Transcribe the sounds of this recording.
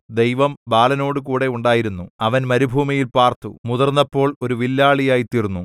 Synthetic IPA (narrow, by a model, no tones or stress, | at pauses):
d̪ejʋɐmbaːlɐno̞ːɽɨkuːɽe̞uɳɖaːjiɾunːuɐʋɐnmɐɾubʱuːmijilpaːrt̪umuðɐrnːɐpːo̞ːɭo̞ɾuʋilːaːɭijaːjit̪irunːu